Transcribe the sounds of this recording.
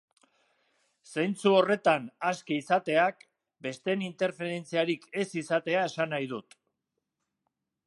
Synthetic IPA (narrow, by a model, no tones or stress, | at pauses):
sejnt͡suo̞re̞t̪anaskiisat̪e̞ak | be̞st̪e̞nint̪e̞ɾfe̞ɾe̞nt͡siaɾike̞sisat̪e̞ae̞sanajðut̪